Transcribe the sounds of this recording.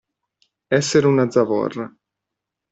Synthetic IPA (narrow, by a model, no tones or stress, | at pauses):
ɛsːeɾunad̪zavɔ̰rːa